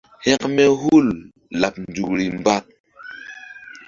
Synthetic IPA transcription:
hɛ˦kmɛ˦ɦu˦l | la˨p̚n˨d͡zu˨kɾi˨mba˦t̚

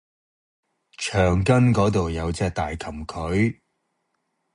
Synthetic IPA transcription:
t͡ʃʰœː˨˩ŋkɐ˥nkɔː˨˥t̪o˨wjɐ˨˧wt͡sɛː˧k̚t̪aː˨jkʰɐ˨˩mkʰɵ˨˥ɥ

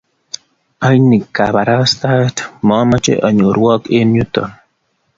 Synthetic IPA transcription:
a˦jni˨kːa̰˨ba˨ɾa˦sta˦tmɔ˨˦ma˦t͡ʃḛ˦ʔɔ˨ɲo˨ɾwɔ˦ke˦nju˦tɔ̰˨n

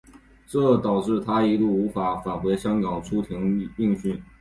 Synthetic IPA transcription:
ʈ͡ʂɤ˥˩t̪ɑ˨˩ʊʈ͡ʂɻ̩˥˩t̪ʰa˥i˧˥lu˥˩u˧˥fa˧˥fa˨˩nxwe˧˥ɪɕjɑ˥ŋkɑ˨˩ŋt͡sʰu˥t̪ʰi˧˥ŋi˥˧ŋɕy˥˩n

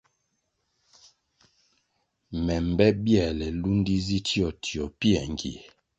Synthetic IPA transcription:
mɛ˨m˨bɛ˦bjɛ˨lɛ˨lu˦n˦di˦zi˦ti˦ɔ˨tʰi˨ɔ˨pi˦ɛ˨ŋ˨ɡḭ˨

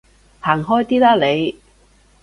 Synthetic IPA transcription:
haː˨˩ŋɦɔː˥jt̪iː˥laː˥le˨˧j

